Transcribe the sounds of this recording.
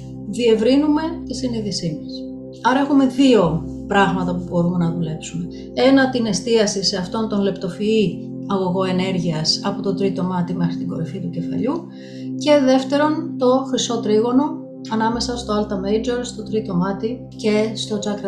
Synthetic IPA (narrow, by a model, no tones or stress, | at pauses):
ðie̞vɾinume̞t̪isiniðisimɐs | ɐɾɐe̞xume̞ðio̞pɾɐɣmɐt̪ɐpubo̞ɾume̞nɐðule̞psume̞ | e̞nɐt̪ine̞st̪iɐsise̞ɐft̪o̞nt̪o̞nle̞pt̪o̞fii | ɐɣo̞ɣo̞e̞ne̞ɾʝiɐsɐpot̪o̞t̪ɾit̪o̞mɐt̪ime̞xɾit̪iŋɡo̞̰ɾifit̪uce̞fɐ̰ʎu | ce̞ðe̞ft̪e̞ɾo̞nt̪o̞xɾiso̞t̪ɾiɣo̞no̞ | ɐnɐme̞sɐst̪o̞ɐlt̪ɐmejd͡ʒe̞ɾst̪o̞t̪ɾit̪o̞mɐt̪i | ce̞st̪o̞t͡sɐkɾ